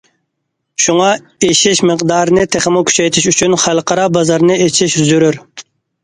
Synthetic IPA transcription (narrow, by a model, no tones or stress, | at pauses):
ʃuŋɑ | eʃɪʃmɨqd̪ɑɾnɨt̪ʰeχɪmʊkʲʰy̥t͡ʃʰɛjt̪ʰɪʃyt͡ʃʰynχælˠqɑɾɑbɑzɑɾnɨet͡ʃʰiʃyzyɾyɾ